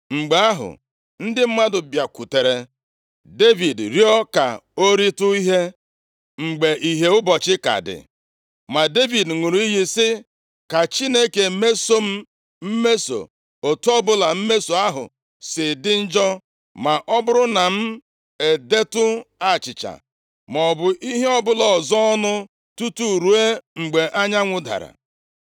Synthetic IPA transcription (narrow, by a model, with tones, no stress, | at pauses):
ŋ͡m̩˨ɡ͡be˨a˦ɦʊ̰˨ | n̩˦dɪ˦m̩˦ma˦dʊ˨bja˨ku˨te˨ɾe˨ | de˦vi˨dɾjɔ˦ka̰˨o˦ɾi˦tʊ˦i˦ɦe˦ | ŋ͡m̩˨ɡ͡be˨ʔi˨ɦe˨ʊ˦bɔ˨t͡ʃɪ˦ka̰˨dɪ̰˨ | ma˨de˦vi˨dŋu˨ɾu˨˦i˦ɦi˦sɪ˦ | ka˨t͡ʃi˦ne˦ke˨me˦so˦m̩˦ | m̩˦me˦so̰˨ | o˨tu˦ɔ˦bʊ˦la˨m̩˦me˦so˨a˦ɦʊ̰˨ | sɪ˨dɪ˦n̩˦d͡ʒɔ˦ | ma˨ʔɔ˦bʊ˦ɾʊ˦na˨m̩˦ | e˨de˦tʊ˦a˦˨t͡ʃɪ˨t͡ʃa̰˨ | mɔ˨bʊ˨ʔi˦ɦe˦ɔ˦bʊ˦lɔ˨zɔ˦ɔ˦nʊ˦ | tu˦tu˦˨ɾu˨e˦ŋ͡m̩˨ɡ͡be˨ʔa˦ɲa˦ŋʷʊ˦da̰˨ɾa̰˨